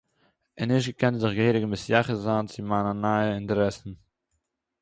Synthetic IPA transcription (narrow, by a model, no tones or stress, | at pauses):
ənɪʃɡəkʰɛnzɪχɡəheːɾəɡəmɪsjaχəzaːnt͡simaːnanaɪəɪntəɾɛsən̩